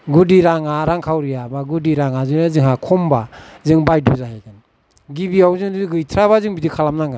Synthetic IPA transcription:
ɡudiɾaŋaɾaŋkʰawɾijabaɡudiɾaŋazunazɯŋhakʰɔmbazɯŋbajduzaɦajɡan | ɡibiawzɯŋduɡɯjtʰɾaβazɯŋbidikʰalamnaŋa

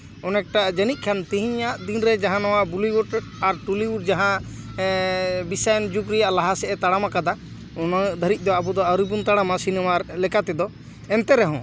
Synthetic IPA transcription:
ɔnɛk̚ʈad͡ʒənit̪̚ˀkʰant̪iɦĩɲaʔd̪inɾɛd͡ʒaɦãnɔwabuliwuʈ | aɾʈuliwuɖ̚d͡ʒaɦã | bisajnd͡ʒukɾɛjaʔlaɦasɛʔɛt̪aɽamakad̪a | ɔnad̪ʱəɾic̚d̪ɔabɔd̪ɔəɾubunt̪aɽamasinɛmaɾlɛkat̪ɛd̪ɔ | ɛnt̪ɛɾɛɦɔ̃

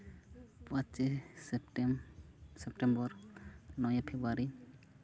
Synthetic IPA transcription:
pãt͡ʃisʈ | sɛp̚ʈɛmbɔɾnɔjapʰebɾuaɾi

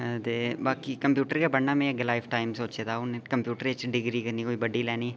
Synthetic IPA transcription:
d̪eːbaːkikɐmpjuːʈəɾkebɐɽnamẽeɡlaːɪfʈaːɪmsoːt͡ʃet̪aʊnkɐmpjuːʈəɾet͡ʃɖɪɡɾikɐɾnikoːibɐɖilɛːni

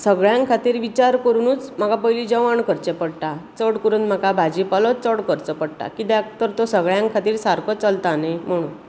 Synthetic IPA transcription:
səɡɭjãŋkkʰat̪iːɾʋit͡ɕaɾkəɾunuːt͡sm̤akapəɦilid͡ʑəʋaɳkəɾt͡ɕepəɽʈ̪at͡səɽkəɾuːnt̪m̤akabʱad͡ʑipəlɔt͡səɽkəɾt͡səpəɽʈ̪a̰kit̪ɛt̪əɾt̪osəɡɭjãŋkʰat̪iːɾsaɾkʰɔt͡səlt̪anam̤əɽ̃uː

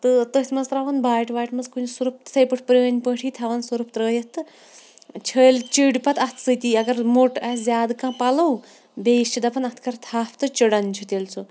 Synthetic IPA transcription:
t̪ɨt̪ət̪ʰʲmɐnzt̪ɾɐʋɐnbaːjʈʰʋaːjʈmɐskunsuɾup̚t̪sʰɐjpɨʈʰpɾəːnʲpəʈʰiːt̪ʰɐʋɐnsuɾup̚t̪ɾəːjɐt̪ːɨ | t͡ʃʰəːlt͡ʃiɖʲpɐt̪ɐt̪ʰsɨt̪iːɐɡɐɾmoʈɐzʲjaːd̪kãːpɐlɐw | beːst͡ʃʰid̪ɐpɐnɐt̪ʰkɐɾt̪ʰaːpʰt̪ɨt͡ʃiɽɐnt͡ʃʰut̪ʲelt͡sʰu

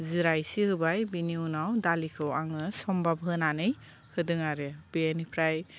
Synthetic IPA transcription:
ziɾajsihɯbajbiniunawdalikʰɯwaŋɯsɔmbabʱɦɯnanɯj | hɯdɯŋaɾɯbienipʰɾaj

